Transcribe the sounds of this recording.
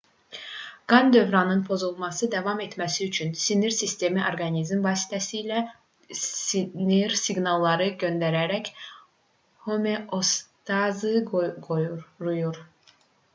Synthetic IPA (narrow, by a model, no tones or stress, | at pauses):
ɡ̥ɑnd̪ø̞vɾɑnɯnpʰo̞zulˠmɑsɯd̪ævɑme̞t̪ʰmæsiyt͡ʃʰynsiniɾsist̪e̞miʔoɾɡɑnizmvɑːsi̥t̪ʰæsiːlæ | iniɾsiɡnɑlˠːɑɾɯɟønd̪æɾæɾæc | homeʔost̪ʰɑzɯɡoɾujuɾ